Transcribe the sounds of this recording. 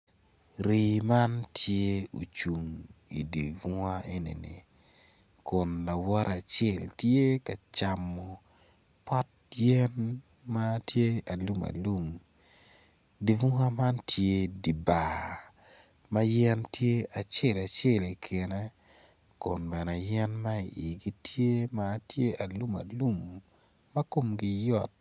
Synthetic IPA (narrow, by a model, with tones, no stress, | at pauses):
ɾi˨ma˦ntʰje˦o̰˨t͡ʃu˨ŋḭ˨di˨vu˦ŋa˦e˦nḭ˨nḭ˨ | kʊ˨nla˨wɔ˦ɾa˨t͡ʃe˦˨ltje˦ka˨t͡ʃa˨mːɔ˨ | pɔ˦t̚jɛ˦n | ma˦tje˦a˨lu˦ma̰˨lu˦m | di˨vu˦ŋa˦ma˦ntʰje˦di˨ba˨ | ma˦jɛ˦ntje˦a˨t͡ʃe˦˨la˨t͡ʃe˦˨li˨kʰe˨nɛ˦ | ko˨nbɛ˨nɛ˨jɛ˦nma˦ḭ˨ʔi˨ɡi˦tje˦maː˦tje˦a˨lu˦ma̰˨lu˦mː | ɐ˦ko˦mɡɪ˦jɔ˦˨t̚